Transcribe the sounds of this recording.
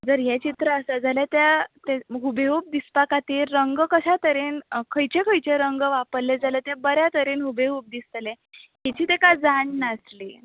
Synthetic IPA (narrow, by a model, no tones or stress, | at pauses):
d͡zəɾjɛt͡ɕit̪ɾəːsad͡zʱaljat̪jat̪eɦubeup̚d̪ispakat̪iːɾːəŋɡkəɕat̪əɾenkʰəjt͡ɕekʰəjt͡ɕeɾəŋɡʋapəɾled͡zaljat̪jabəɾjat̪əɾenɦubeɦup̚d̪ist̪lẽ | ɦɛt͡ɕiːt̪ekad͡zaɳːasli